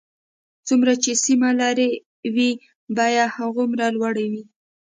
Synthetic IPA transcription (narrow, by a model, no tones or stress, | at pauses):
t͡sumɾat͡ʃesimalaɾe | wi | bɑjad̪haɣomɾalwaɽawi